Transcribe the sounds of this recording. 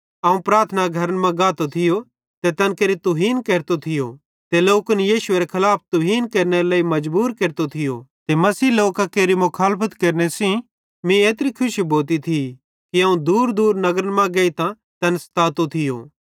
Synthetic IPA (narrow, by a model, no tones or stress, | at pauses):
ɐũpɾaːɾt̪ʰnaɡʱɐɾənmɐ̃ɡaːt̪ot̪ʰɪjo | t̪et̪ɐnkeːɾit̪ʊɦiːnkeːɾt̪ot̪ʰɪjo̰ | t̪eloːkʊnjiːʃʊeɾekʰɐlaːp̚ʰt̪ʊɦiːnkeːɾneɾeleːimɐd͡ʒbuːɾkeːɾt̪ot̪ʰɪjo̰t̪emɐsiːloːkakeːɾimʊkʰaːlpʰət̪keːɾnesĩ | mĩeːt̪̬ɾikʰʊʃiboːlt̪̬it̪ʰi | kiɐːũd̪uːɾd̪uːɾnɐɡɾənmãɡeːit̪ã | t̪ɐnst̪aːt̪ot̪ʰɪjo̰ː